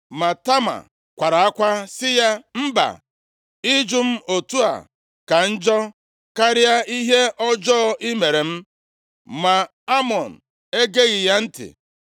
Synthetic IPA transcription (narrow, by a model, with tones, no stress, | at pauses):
ma˨ta˦ma̰˨ | kʷa˨ɾa˨a˦kʷa˦sɪ˦ja˦m̩˦ba̰˨ | i˦d͡ʒu˦m̩˦ʔo˨tu˦a̰˨ | ka˨n̩˦d͡ʒɔ˦ | ka˦ɾɪ˦a˦i˦ɦe˦ɔ˦d͡ʒɔ˦ʔi˦me˨ɾe˨m̩˦ | ma˨ | a˦mɔ˨n̩˨ | e˦ɡe˦ɣɪ˨ja˦n̩˦tɪ̰˨